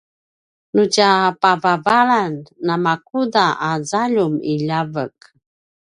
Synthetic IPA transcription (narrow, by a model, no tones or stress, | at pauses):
nucapavavaɭanːamakudaʔazaʎumiʎavək̚